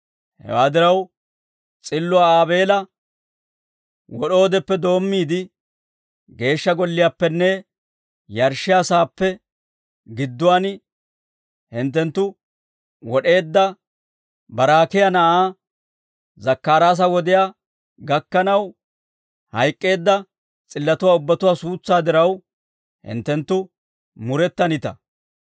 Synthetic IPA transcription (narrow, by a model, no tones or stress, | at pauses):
hɛ̰waːd̪ɪɾɐw | t͡sʼɪlːʊaːaːbe̞ːlɐ | wɔɗo̞ːd̪ɛpːɛd̪o̞ːmːiːd̪ɪ | ɡe̞ːʃːɐɡɔlːɪjaːpːɛnːɛ | jɐɾʃːɪjaːsaːpːɛ | ɡɪd̪ːʊwaːn | hɪnt̪̬ːɛnt̪ːʊ | wɔɗe̞ːd̪ːɐ | bɐɾaːkɪjɐnɐʔaː | zɐkːaːɾaːs̬ɐwɔd̪ɪjaː | ɡɐkːɐnɐw | hɐjkʼːe̞ːd̪ːɐ | t͡sʼɪlːɐt̪ʊwaːʊbːɐt̪ʊwaːsuːt͡sːaːd̪ɪɾɐw | hɪ̰nt̪ːɛnt̪ːʊ | mʊɾɛt̪ːɐnɪt̪ɐ̰